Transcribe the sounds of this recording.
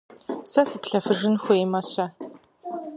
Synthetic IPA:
sɐsɨpɬɐfɨʒɨnxʷʊjmɐɕɐ

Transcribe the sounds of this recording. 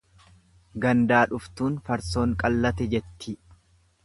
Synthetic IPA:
ɡɐnd̪aːᶑʊft̪uːnfɐɾso̞ːŋkʼɐlːɐt̪ɛd͡ʒɛt̪ːɪ

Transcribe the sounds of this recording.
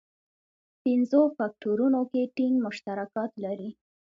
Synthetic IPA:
pɪnzofɑk̚ʈoɾunokeʈiŋɡmʊʃt̪aɾakɑt̪laɾi

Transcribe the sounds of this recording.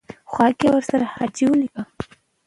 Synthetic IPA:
xwɑkewəɾsaɾahɑd͡ʒiwəlika

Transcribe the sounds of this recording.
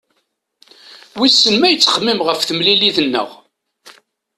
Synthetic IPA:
wisːənmæjət͡sːə̥χmːimʁəfθəmliliðənːə̰ʁ

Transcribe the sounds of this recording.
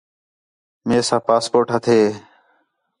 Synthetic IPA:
meːsãːpaːspoːɾʈɦət̪ʰeː

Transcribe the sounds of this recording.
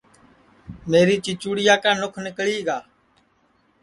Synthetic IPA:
meːɾiːt͡ʃɪt͡ʃuːɽɪjaːkãːnʊkʰnɪkɭiːɡaː

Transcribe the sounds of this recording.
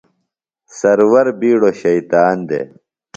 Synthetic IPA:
sɐɾwɐɾbiːɽoɕɐjt̪aːnd̪ḛ

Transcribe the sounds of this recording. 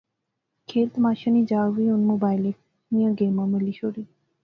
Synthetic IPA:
kʰelt̪maʃanid͡ʑawiunmobajle | nijaɡeməməliʃoɾi

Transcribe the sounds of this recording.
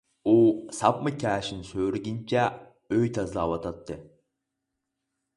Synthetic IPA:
usɑp̚mɨkʲʰæːʃinsøːɾɡʲint͡ʃʰɛ | øjt̪ʰazlˠaːwɑt̪ʰɑt̪ːɨ

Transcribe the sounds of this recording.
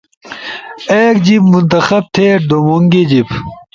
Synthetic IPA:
eːkd͡ʑibmunt̪ɐxɐb̚t̪ʰeːɖomoŋɡed͡ʑib

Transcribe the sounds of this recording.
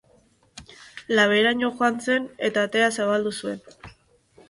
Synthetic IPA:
laβ̞e̞ɾaɲoxoant͡se̞ne̞t̪aːt̪e̞asaβald̪usue̞̰n

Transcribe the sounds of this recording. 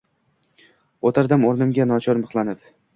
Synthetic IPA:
ot̪ʰaɾd̪amoɾnɪmɡʲanɒt͡ʃʰɒɾmɨχlˠanɪp

